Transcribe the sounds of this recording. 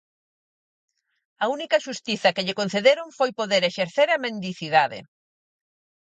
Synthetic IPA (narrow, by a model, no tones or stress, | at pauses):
ɐunikɐʃust̪iθɐkɪʎɪkonθeðeɾoŋfojpoðeɾeʃeɾθeɾɐmẽnd̪iθiðaðɪ̰